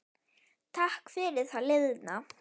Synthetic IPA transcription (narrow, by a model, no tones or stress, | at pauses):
t̪ʰahkfɪɾɪɾ̥θalɪððna